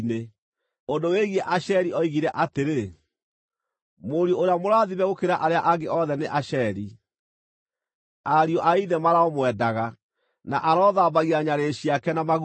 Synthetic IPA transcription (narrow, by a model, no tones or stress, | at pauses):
ne | ondoweɣiɛʔaɕɛɾiʔɔiɣiɾɛʔateɾe | moɾjooɾeamoɾaːðiβɛɣokeɾaʔaɾeaʔaɡeʔɔðɛneʔaɕɛɾi | aɾiɔʔaiðɛmaɾaɔmwɛdaɣa | naʔaɾɔːðaːbaɣiaɲaɾeɕiakɛnamaɣ